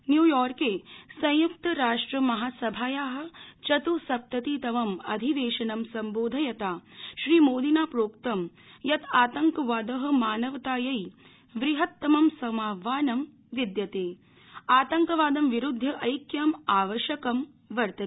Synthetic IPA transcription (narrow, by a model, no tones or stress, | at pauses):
njuːjɔːɾkeːsɐ̃juk̚t̪ɐɾaːʂʈɾɐmɐɦaːsɐbʱaːjaːɦɐ̆t͡ʃɐt̪usɐp̚t̪ɐt̪iːt̪ɐʋɐmɐd̪ʱiʋeːʃɐnɐmsɐmboːd̪ʱɐjɐt̪aːʃɾiːmoːd̪inaːpɾoːkt̪ɐm | jɐt̪ʰaːt̪ɐŋkɐʋaːd̪ɐɦɐ̆maːnɐʋɐt̪aːjɐj | ʋɾiɦɐt̪ːɐmɐmsɐmaːʋaːnɐm | ʋid̪jɐt̪eː | aːt̪ɐŋkɐʋaːd̪ɐmʋiɾud̪ʱːɐʔɐjkjamaːʋɐʃjɐkɐm | ʋɐɾt̪ɐ